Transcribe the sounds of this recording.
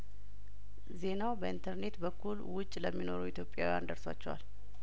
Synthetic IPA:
ze̞nawbəint̪ʰəɾne̞t̪bəkʰːulwʊt͡ʃʼləmːino̞̰ɾuwit̪ʰjo̞pʼːja̰wija̰nd̪əɾswa̰t͡ʃːɛwa̰l

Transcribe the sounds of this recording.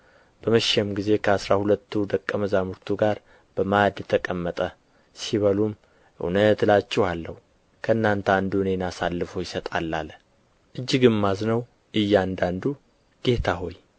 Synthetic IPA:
b̥əməʃɛmɡize̞kʰəasɾahulət̪ʰːud̪əkʼːəməzamuɾt̪ʰuɡaɾ | b̥əmad̪jɛt̪ʰːəkʼəmːət̪ʼə | siβəlum | ʔɨ̰wnət̪lat͡ʃːɛhalːəhu | kʰəɨnːant̪ʰand̪uɨne̞nasalːɨfojɪsət̪ʼalːal | ʔɨd͡ʒːɪɡɨmːaznəw | ʔɨjːand̪and̪u | ɡ̥e̞t̪ʰaɦo̞j

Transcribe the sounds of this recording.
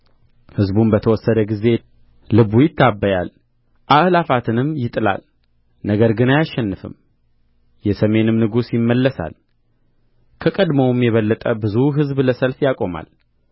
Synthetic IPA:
hɨzbunbət̪ʰəwɔsːəd̪əɡize̞ | lɨβujɪt̪ʰːabːəjal | ʔaʔlafat̪ʰɨnɨmjɪt̪ʼɨla̰l | nəɡəɾɡɨnajaʃːɛnːɨfɨ̰m | jɛsəme̞nɨmnɨɡusjɪmːəlːəsa̰l | kʰəkʼəd̪mowmjɛβəlːət̪ʼəbɨzuɦɨzbləsəlfjakʼo̞ma̰l

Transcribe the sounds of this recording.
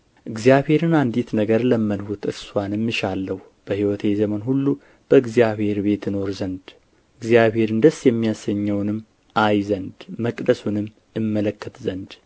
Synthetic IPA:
ʔɨɡzijaβhe̞ɾɨnand̪it̪nəɡəɾləmːənhut̪ʰɨɾswʷanɨmːɨʃalːəhu | b̥əhiwɔt̪ʰezəmənɦulːu | b̥əɨɡzijaβhe̞ɾbe̞t̪ɨno̞ɾzənd̪ | ɨɡzijaβhe̞ɾɨnd̪əsjɛmːijasəɲːəwnɨm | ʔajzənd̪məkʼd̪əsunɨmː | jɨmːələkːət̪zənd̪

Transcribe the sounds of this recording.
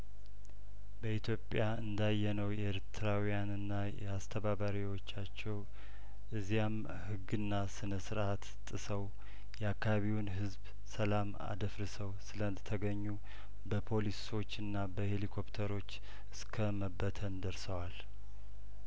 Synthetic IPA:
bəit̪ʰjo̞pʼjaɨnd̪ajːɛnəwjɛeɾt̪ʰɨɾawijanɨnːajɛ̰ast̪ʰəβaβaɾiwo̞t͡ʃːat͡ʃːɛw | ʔɨzijam | hɨɡːɨnːasɨnəsɨɾʔat̪t̪ʼːɨsəw | jɛakːaβaβiwnɦɨzb | səlama̰d̪əfɾɨsəwsɨləɨnd̪ət̪ʰəɡəɲːu | bəpʰo̞liso̞t͡ʃːɨnːabəhe̞likʰo̞pt̪ʰəɾo̞t͡ʃː | ɨskʰəməbːət̪ʰənd̪əɾsəwal

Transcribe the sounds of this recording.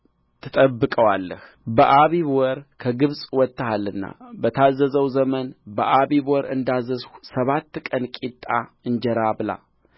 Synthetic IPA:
t̪ʰɨt̪ʼəbːɨkʼəwalːəh | bəʔaβiβwɔɾkʰəɡɨβsʼwɔt̪ːəhalɨnːa̰bət̪ʰazːəzəwzəmənbəʔaβiβwɔɾɨ̰nd̪azːəzsəβat̪ːkʼənkʼit̪ʼːaɨnd͡ʒɛɾabɨla̰

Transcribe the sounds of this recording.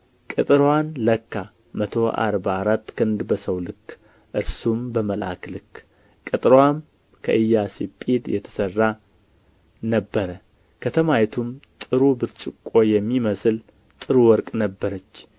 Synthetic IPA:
kʼɨt̪ʼɾwanləkːa | mət̪ʰo̞ʔa̰ɾbaːɾat̪ːkʰɨnd̪bəsəwlɨkː | ʔɨɾsumbəməlʔa̰klɨkː | kʼɨt̪ʼɾwan | kʰə̰ʔɨjːasipʼid̪jɛt̪ʰə̥sərːa | nəbːəɾə | kʰət̪ʰəmajt̪ʰumt̪ʼɨɾubɨɾt͡ʃʼɪkʼːo̞jɛmːiməsɨl | t̪ʼɨɾuwɔɾkʼnəbːəɾət͡ʃː

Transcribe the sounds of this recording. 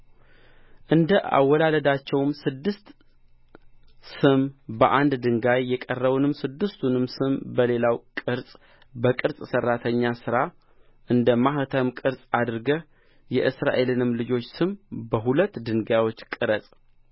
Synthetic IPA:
ʔɨnd̪əʔa̰wːɔlaləd̪at͡ʃːɛwmsɨd̪ːɨst̪ | sɨmbəʔand̪d̪ɨŋɡajːɛkʼərːəβunɨmsɨd̪ːɨst̪ʰunɨmsɨmbəle̞lawkʼɨɾsʼ | bəkʼɨɾsʼsərːat̪ʰəɲːasɨɾa | ʔɨnd̪əmaht̪ʰəmkʼɨɾsʼad̪ɾɡə | jɛʔɨsɾa̰ʔe̞lɨnɨmlɨd͡ʒo̞t͡ʃːsɨmbəɦulət̪ːd̪ɨŋɡajwo̞t͡ʃːkʼɨɾəsʼ

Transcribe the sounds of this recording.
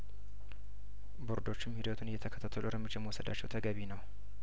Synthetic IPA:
buɾd̪o̞t͡ʃːɪmhid̪ət̪ʰunɨjːɛt̪ʰəkʰət̪ʰat̪ʰːəluɾəɾmːɨd͡ʒːaməwɔsəd̪at͡ʃːɛwt̪ʰəɡəβinəw

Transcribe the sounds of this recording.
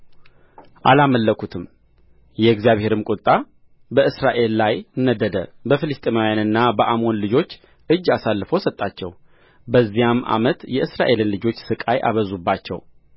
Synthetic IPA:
ʔalaməlːəkʰut̪ʰɨm | jɛɡzijaβhe̞ɾɨmkʼut̪ʼa | bəɨsɾaʔe̞lːajnːəd̪əd̪ə̰bəfɨlɨst̪ʼemawjanɨnːabəʔamo̞nlɨd͡ʒo̞t͡ʃː | ʔɨd͡ʒːasalːɨfəwsət̪ʼːat͡ʃːɛ̰w | bəzːijamːʔa̰mət̪jɛʔɨsɾaʔe̞lɨnlɨd͡ʒo̞t͡ʃːsɨkʼajʔa̰βəzubːat͡ʃːɛ̰w

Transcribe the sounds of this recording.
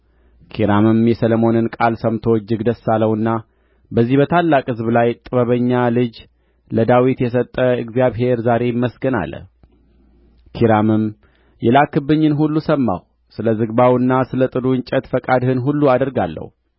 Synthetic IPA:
kʰiɾamɨmjɛsəlomo̞nɨnkʼalsəmt̪ʰod͡ʒɨɡd̪əsːalːəwɨnːa | bəzːihbət̪ʰalːakʼhɨzblajt̪ʼɨβəβəɲːalɨd͡ʒ | ləd̪awit̪jɛs̬ət̪ʼːəɨɡzijaβɦe̞ɾzaɾe̞mːəsɡəna̰lːə̰ | kʰiɾamɨm | jɛlakːɨbːɨɲːɨnɦulːusəmːa̰w | sɨləzɨɡbawɨnːasɨlət̪ʼɨd̪uɨɲt͡ʃʼət̪fəkʼad̪hɨnɦulːuad̪əɾɡalːə̰h

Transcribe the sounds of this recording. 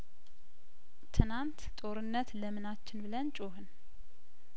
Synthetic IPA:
t̪ʰɨnant̪t̪ʼo̞ɾɨnːət̪ləmɨnat͡ʃːɪnbɨlənt͡ʃʼoɦɨn

